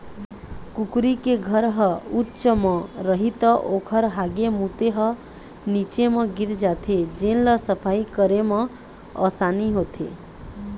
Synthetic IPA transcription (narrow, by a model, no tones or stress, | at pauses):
kukɾikeɡʱəɾɦəutːt͡ʃəmɔ̃ɾəɦit̪əʔokʰəɾɦaɡemut̪eɦə | nit͡ʃemʌ̃ɡiɾd͡ʒat̪ʰed͡ʒenləsəpʰaikəɾemə̃ | ə̰saniɦot̪ʰḛ